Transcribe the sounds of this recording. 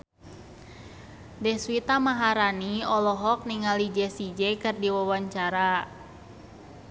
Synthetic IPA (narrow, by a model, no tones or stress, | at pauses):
dɛhswit̪amaɦaɾaniɔlɔɦɔk̚niŋalid͡ʒɛsid͡ʒɛkɨrdiwawaɲt͡ʃaɾa